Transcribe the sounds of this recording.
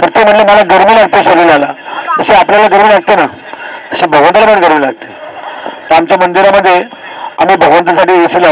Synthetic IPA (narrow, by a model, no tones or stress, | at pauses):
səɾt̪em̤əʈleməlaɡəɾmiːlaɡ̚t̪eɕəɾilalat̪əɕeapljalaɡəɾmiːlaɡ̚t̪ena | t̪əɕebʱəɡʋənt̪əlam̤əɽɡəɾmiːlaɡ̚t̪et̪əamt͡ɕjamənd̪iɾaməd̪ʱːje | amiːbʱəɡʋənt̪əsaʈiːesila